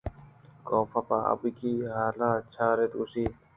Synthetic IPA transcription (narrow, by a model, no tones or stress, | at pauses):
koːpapaɐ̰bikiːɦaːlaːt͡ɕʰaːɾet̪usiː